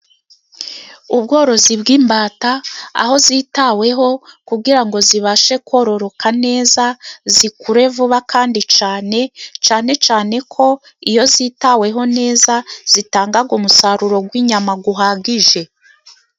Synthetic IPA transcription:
ub̚ɡo̞ːɾo̞zibɡiːmbaːtaa̰ho̞zitawe̞ɦo̞kuɡiɾaŋɡo̞ziβaʃe̞kwo̞ɾo̞ɾo̞kʰane̞ːzazikuɾe̞vuβakʰaːndit͡ʃaːne̞t͡ʃaːne̞t͡ʃaːne̞kʰo̞ | ijo̞ziːtawe̞ɦo̞ne̞ːzaz̥itaːŋɡaɡumusaɾuɾo̞ɡwiɲamaɡuɦaːɡiʒe̞

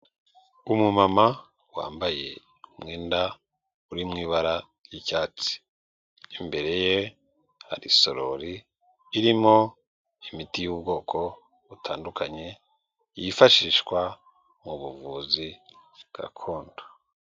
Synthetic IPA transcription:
umumama | wa̰ːmbaje̞̰ | umŋeːnda | uɾimŋiːβaɾa | jicaːt͡si̥ː | mbe̞ɾe̞je | ha̰ɾiso̞ɾoɾiː | ɾimo̞ | imitijub̚ɡo̞ːkʰo̞ | βutʰaːndukʰaɲe̞ | jifaʃiːʃkwa | muβuvuːziɡ̥a̰kʰoːndo̥

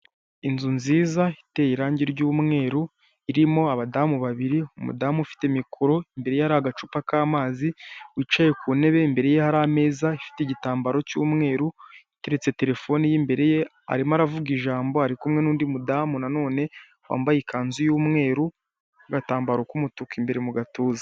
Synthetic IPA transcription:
inzunziːzaite̞jiɾaːɲɟiɾɟuːmŋe̞ːɾu | iɾimo̞aβadaːmuβaβiɾiumṵdaːmufi̥te̞mikʰoɾo̞imbe̞ɾe̞jehaɾaɡat͡ʃupakaːmaːziwit͡ʃaje̞kune̞βe̞mbe̞ɾe̞jehaɾaːme̞ːzaifi̥teɟitaːmbaɾo̞cuːmŋe̞ːɾuite̞ɾe̞t͡se̞te̞ɾe̞fo̞nijimbe̞ɾe̞je | a̰ɾimaɾavuɡiʒaːmbo̞haɾikumŋe̞nuːndimudaːmunano̞ːne̞ | wa̰ːmbajikaːnzujuːmŋe̞ːɾu | aɡataːmbaɾo̞kumutukimbe̞ɾemuɡatuːza

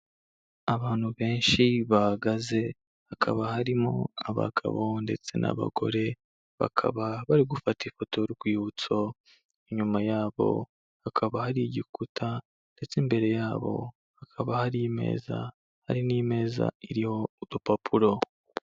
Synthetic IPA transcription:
aβaːn̥huβe̞ːnʃiβahaɡaze̞ | hakʰa̰βahaɾimo̰aβa̰ɡa̰βo̞nde̞t͡se̞̰nʔa̰βa̰ɡo̞̰ɾe̞ | βa̰kʰa̰βaβaɾiɡufatifo̞tʰo̞ɾiɡwiːhut͡so̞ | iɲumajaːβo̞̰ | hakʰaβahaɾiɟikutʰa | nde̞t͡sembe̞ɾe̞jaːβo̞̰ | hakʰaβahaɾime̞̰ːza̰ | ha̰ɾiniːme̞ːza̰iɾiho̞udupapʰuɾo̞

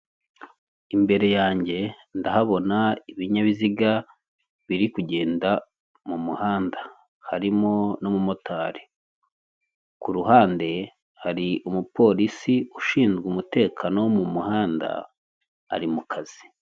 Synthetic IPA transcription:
imbe̞ɾe̞jaːɲɟe̞ | ndahaβo̞naiβiɲaβiziɡa | βiɾikuɟe̞ːnda | mumuhaːndḁ | haɾimo̞nomumo̞tʰaːɾe | kuɾuɦaːnde̞ | haɾiʔumupo̞ɾisiuʃiːnzɡumute̞ːkʰano̞wmumuhaːnda̰ː | ɾimukʰaz̥i̥

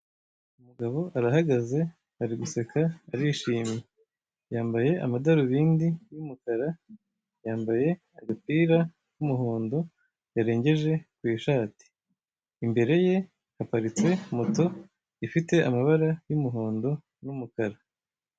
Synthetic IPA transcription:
umuɡaβo̞ʔaɾaɦaɡaze̞ | haɾiɡuse̞kʰaːɾiʃiːmje | jaːmbaje̞ʔa̰madaɾuβiːndijumukaɾa | jaːmbaje̞ | aɡapiːɾa | kumuɦoːndo | jaɾe̞ːɲɟe̞ʒe̞kwiːʃaːti̥ː | mbe̞ɾe̞je̞ | hapaɾit͡se̞moto̞ | ifite̞ʔamaβaɾajumuɦoːndo | numukaɾa

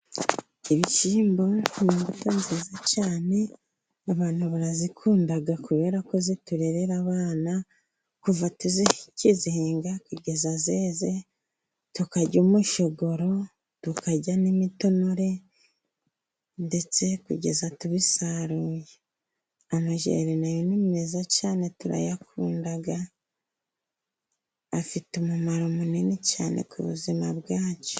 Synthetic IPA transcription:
iβit͡ʃiːmbo̞niβutonziːzacaːne̞ | aβaːn̥huβaɾazikʰuːndaɡakuβe̞ːɾako̞zituɾe̞ɾeɾaβaːna | kuvatuziciziheːŋɡakuɟe̞zazeːze | tukaɟumuʃoɡo̞ɾo̞ | tukaɟanimito̞noɾe̞ | nde̞t͡se̞kṵɟe̞zatuβisaɾuːje | amaʒḛɾinajonimezacaːne̞tuɾa̰jakuːndaɡa | fitumumaɾomuninica̰ːne̞̰kṵβṵzimaβɡaːt͡ʃo̥

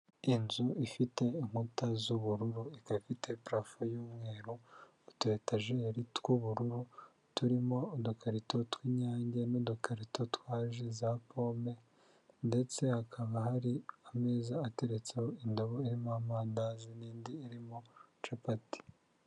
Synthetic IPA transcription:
inzuifite̞iŋhutazuβuɾuɾuikaβifite̞pɾafojuːmŋe̞ːɾuː | twe̞taʒeɾitkuβuɾuɾu | tuɾimo̞ːdokaɾito̞twiɲaːɲɟenodokaɾito̞twaːʒezapo̞ːme̞ | nde̞t͡se̞hakʰaβahaɾiame̞ːzaːte̞ɾet͡sehoindoβo̞iɾimamaːndaziniːndiːɾimo̞t͡ʃapati̥

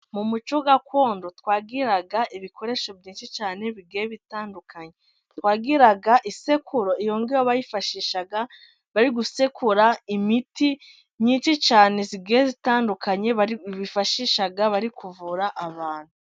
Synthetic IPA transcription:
mumut͡ʃuɡako̞ːndotwaːɡiɾaɡaʔiβikʰo̞ɾe̞ʃo̞biːnʃit͡ʃaːne̞βiɡeːβitaːndukʰaɲe̞ | tkwaːɡiɾaɡaʔise̞kʰuɾo̞ijo̞ːŋɡiwoβajifaʃiːʃaɡa | βaɾiɡusekʰuɾaimiti | ɲiːnt͡ʃit͡ʃaːne̞ziɡeːzitaːndukaɲe̞βifaʃiʃaɡaβaɾikuvuɾaʔːβaːn̥hu

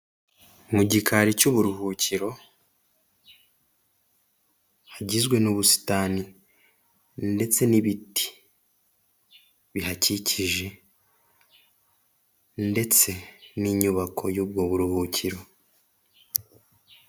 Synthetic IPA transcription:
muɟikʰaɾicuβuɾuhuːciɾo̞ | haɟizɡwe̞nuβusi̥taːni | nde̞t͡se̞niβiti̥ | βiɦaciciʒe̞ | nde̞t͡se̞niɲuβakʰo̞juːb̚ɡo̞βuɾuhuciɾo̞

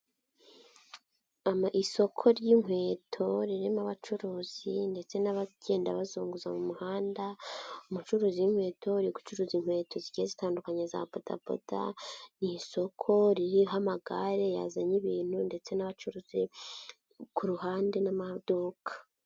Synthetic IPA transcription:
amiso̞kʰo̞ɾjiːŋwe̞ːtʰo̞ɾiɾemaβat͡ʃuɾuːz̥inde̞t͡se̞naβaɟe̞ːnda̰βazuːŋɡuzamumuhaːndaomut͡ʃuɾuːzijiŋ̥we̞ːtʰo̞ɾiku̥t͡ʃuɾuːziŋ̥we̞ːto̞ziɟiezitaːndukaɲeza̰boda̰bo̰da̰niso̞kʰo̞ɾiɾiɦamaɡaɾe̞ja̰zaɲiβiːn̥hunde̞t͡se̞naβat͡ʃuɾuːz̥i | kuɾuɦaːnde̞namad̥okʰḁ

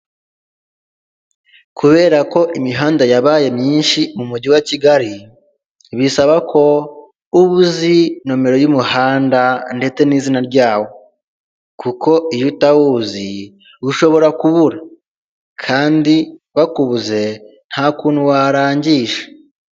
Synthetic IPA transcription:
kuβe̞ːɾako̞ʔimiɦaːndajaβaːje̞mɲiːnʃimumuɟiwaciɡaɾi | βisaβakʰo̞ | uβuzinome̞ɾo̞jumuhaːndande̞t͡se̞nizinaɾɟaːwo̞ | kuko̞ijutawuzi | βuʃo̞βo̞ɾakuβuɾa | kʰaːndiβakuβuze̞ | n̥haːkuːnhuwaɾaːɲɟiːʃe̥

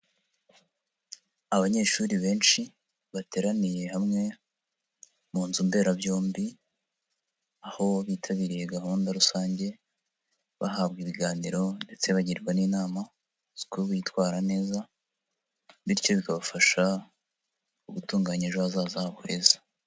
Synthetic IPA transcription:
aβaɲe̞ːʃuɾiβe̞ːnʃi | βate̞ɾanije̞hamŋe̞ | muːnzumbe̞ːɾabjo̞ːmbi | aho̞βiːtʰaβiːɾije̞ɡaɦuːndaɾusaːɲɟe̞ | βa̰ɦabɡiβiɡaːniɾo̞nde̞t͡se̞βaɟiɾiɾwaniːnaːma | z̥i̥kuuβitwaːɾane̞ːza | βiɾco̞βikaβafaʃa | uβutuːŋɡaɲiʒoazaːzahaβohe̞ːzḁ

